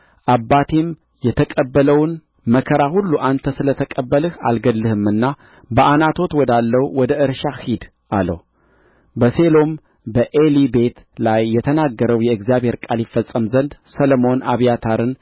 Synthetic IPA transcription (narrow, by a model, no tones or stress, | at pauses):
ʔabːat̪ʰim | jɛt̪ʰəkʼəbːələwn | məkʰəɾahulːuʔant̪ʰəsɨlət̪ʰəkʼəbːəlɨha̰lɡəlːɨhɨmɨnːa | bəʔanat̪ʰo̞t̪wɔd̪alːəwuwɔd̪əʔɨɾʃahid̪ | ʔalə̰w | bəselo̞m | bəʔelibe̞t̪lajːɛt̪ʰənaɡːəɾəwjɛɨɡzjaβhe̞ɾkʼalifːəsʼːəmzənd̪səlomo̞nʔaβijat̪ʰaɾɨn